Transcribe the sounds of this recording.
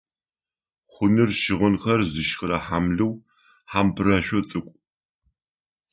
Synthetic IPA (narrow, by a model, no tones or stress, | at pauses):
χʷʊnɨrʃɪʁənxɐrzɨʃxɾɐħaːmɮɨw | ħaːmpʰrɐʃʷɔt͡sʼɨkʷʼ